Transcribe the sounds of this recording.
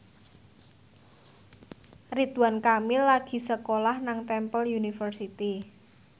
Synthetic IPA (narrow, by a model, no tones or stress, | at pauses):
rit̪uwankamilaɡ̥i̤səkolahnaŋt̪ɛmpəljunifərsit̪i